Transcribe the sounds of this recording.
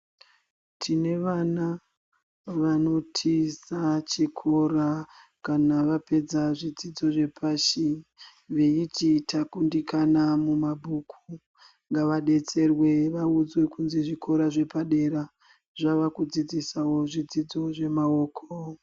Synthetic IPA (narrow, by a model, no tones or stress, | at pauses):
tʰine̞ʋana | ʋano̞tʰisat͡ʃikʰo̞ɾakanaʋape̞d͡zaʐid͡zid͡zo̞ʐe̞pʰaʃi | ʋe̞ititʰakundikanamumabʱukʰu | ŋɡaʋaɗe̞t͡se̞rwe̞ʋaud͡zwe̞kunzeʐikʰo̞ɾaʐe̞paɗe̞ɾa | ʐaʋakud͡zid͡zisawo̞ʐid͡zid͡zo̞ʐe̞mao̞ːkʰo